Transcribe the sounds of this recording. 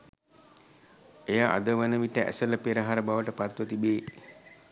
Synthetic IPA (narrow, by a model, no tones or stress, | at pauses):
ejaʔa̰d̪əʋənəʋiʈəʔæ̰sələpeɾəɦaɾəbaʋəʈəpat̪ʋət̪ibeː